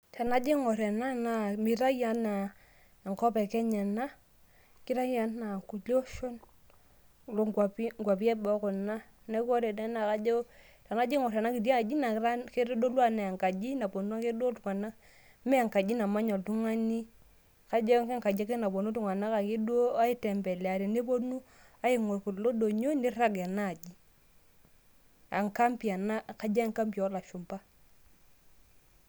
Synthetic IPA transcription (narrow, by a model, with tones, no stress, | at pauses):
ta˨na˨˦d͡ʒe˦ŋɔ˨ɾɛ˨na˦na˨mi˨ɾa˦ja˨˦na˨ | ŋkɔ˦pɛ˨kɛ˦ɲa˨na˦ | kɪ˦ɾa˦ja˦nːa˨ku˨lo˦ʃo˦n˨ | lo˨ŋwa˨pi˦ŋɡʷwa˨pi˦ɛ˦bɔ˦kʊ˨na˦ | nɛ˦kɔ˦ɾɛ˨dɛ˦na˨ka˦d͡ʒo˦ | ta˨na˦d͡ʒi˦ŋɔ˨ɾɛ˨na˦ki˨ɾja˦˨d͡ʒi˦na˨ɾa˦ke˦ɾo˦do˦lwa˦na˨a˨ŋka˨d͡ʒi˦na˨bo˨n˦a˦ŋke˦du˦o˦tu˨ŋa˨na˦ | mɛ˦a˨ŋka˨d͡ʒi˦na˨ma˦ɲɔ˨ltu˦ŋa˦ni˦ | ka˨d͡ʒe˦ŋke˦ŋka˨d͡ʒe˦ke˦na˨bo˨nu˦tu˦ŋa˨na˦ka˨ki˦du˦o˦a˦i˦tɛ˨mbɛ˨lɛ˨a˨ɾe˨ne˦po˦nu˦ | a˦ɪ˦ŋo˨ɾku˨tlo˦do˨ɲo˦ne˦ɾa˦ɡa˨naː˦˨d͡ʒi˦ | a̰˨ŋka˦mpi˨a˨na˦ka˨d͡ʒa˦a˦ŋka˦mpi˨˦la˨ʃu˨mba˦